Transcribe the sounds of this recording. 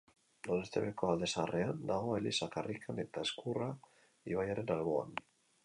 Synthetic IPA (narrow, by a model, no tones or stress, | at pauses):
d̪onest̪ḛβeko̞ald̪e̞sarʔe̞and̪aɣo̞elisakarʔikʰane̞t̪aeskura | iβajaɾe̞nalβo̞a̰n